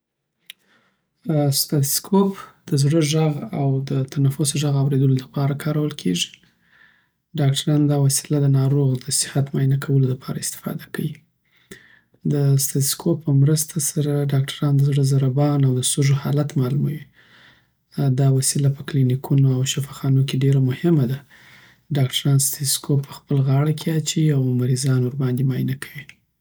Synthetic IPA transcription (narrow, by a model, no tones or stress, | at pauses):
st̪ɑt̪skʰopd̪̥əzɽəʒaɣawd̪ət̪ʰanafʊsʒaɣawɾed̪əlolapɑɾakʰɑɾawəlkʰḛʐi̥ | ɖɑk̚ʈaɾɑnod̪ɑwasi̥lad̪ənɑɾoɣd̪əsɪ̥hat̪mɑjnakʰawəlolapʰɑɾa̰ɪst̪ɪ̥fɑ̰d̪akawi | d̪əst̪at̪skʰopːəmɾəst̪ʰasaɾaɖɑk̚ʈʰḁɾɑnd̪əzɽəzaɾabɑnawd̪əsuʒohɑlat̪mɑlumawi | d̪ɑwasilapə̥klinikʰunoawʃafɑxɑnokeɖeɾamʊhɪmad̪a | ɖɑkʈʰaɾɑnst̪eskʰopːə̥xpəlɣɑɽakʰeat͡ʃiawmaɾizɑnʊɾbɑnd̪imɑjnakʰawi